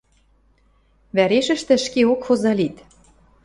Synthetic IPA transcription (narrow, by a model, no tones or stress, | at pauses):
βæɾeʃə̆ʃt̪ɘ̆ʃkeokxozɑlit̪